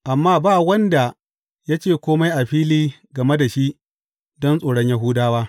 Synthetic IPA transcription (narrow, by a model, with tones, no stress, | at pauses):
ʔa˨mːaː˦baː˦˨wɐ˦nda˨ | ja˦t͡ʃeː˦˨kʷoː˦ma˦jʔa˨ɸiː˦liː˦ɡɐ˨me˦da˨ʃi˦ʔ | dɔ˦nsʼoː˨ɽɔ˦ɲja˦ɦuː˦daː˦waː˦